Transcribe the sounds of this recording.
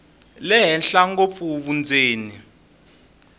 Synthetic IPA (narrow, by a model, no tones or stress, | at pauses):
lɛɦɛnɬaŋɡop̪fuβund͡zʱeːni